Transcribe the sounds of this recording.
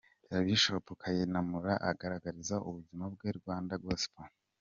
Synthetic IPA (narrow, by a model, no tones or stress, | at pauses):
jaβiʃopukʰajenamuɾaʔaɡaɾaɡaɾizaʔuβuzimab̚ɡeɾɡwaːndabɡoːsi̥po